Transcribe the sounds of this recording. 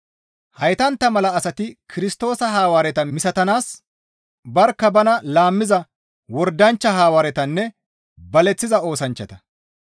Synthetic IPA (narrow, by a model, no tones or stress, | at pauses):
hɐjt̪ɐnt̪ːɐmɐlɐːsɐt̪ɪkʰɪɾɪst̪o̞ːsɐɦaːwaːɾɛt̪ɐmɪsɐt̪ɐnaːs | bɐɾkːɐbɐnɐlaːmːɪzɐ | wɔɾd̪ɐnt͡ʃːɐɦaːwaːɾɛt̪ɐnːɛ | bɐlɛt͡sːɪzɐo̞ːsɐnt͡ʃːɐt̪ɐ̥